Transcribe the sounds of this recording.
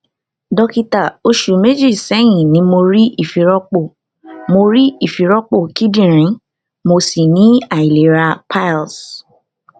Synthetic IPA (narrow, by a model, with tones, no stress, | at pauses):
dɔ˧ki˧ta˨o˧ʃu˨me˦d͡ʒi˦˨sɛ˨˦j̃ĩ˨nĩ˨˦mo˧ɾi˦ʔi˦˨fi˨˦ɾɔ˦k͡po˦˨ | mo˧ɾi˦i˦˨fi˨ɾɔ˦k͡po˦˨ki˦dĩ˦˨ɾ̃ĩ˨˦ | mo˧si˨nĩ˨˦a˨i˨le˨˦ɾa˧pʰa˦˨ls